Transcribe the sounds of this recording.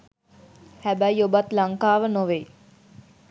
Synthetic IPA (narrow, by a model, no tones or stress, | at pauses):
hæbæjobat̪laŋkaːʋənoʋe